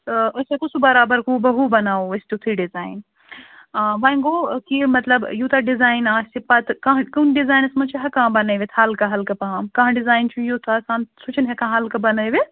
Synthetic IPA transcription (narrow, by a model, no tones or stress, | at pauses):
t̪ɐsɐkusʰubɐɾaːbɐɾkũbɐɦubɐnaːoɐst̪it̪ʰɾiɖizaːin | ʋɐĩɡokimɐt̪lɐbjut̪ʰɐɖizaːjnaːstipɐt̪kɐ̃ɦkɐnɖizaːjnɐsmɐt͡ʃʰiɦɐkãɦbɐnɐjʋet̪ʰaːlkɐɦɐlkɐpɐɦãmkɐɦãɖizaːjnt͡ʃʰujut̪ʰaːsaːnsut͡ʃʰɐnɦɛkɐ̃ɦɦɐlkɐbɐnɐjʋe